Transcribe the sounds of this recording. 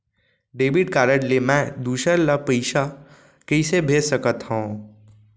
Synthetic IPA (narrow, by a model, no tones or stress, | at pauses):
ɖeːbiɖ̚kaːɾəʈlemɛ̃d̪uːʃəɾlapəɪʃa | kəɪsebʱeːsəkət̪hõː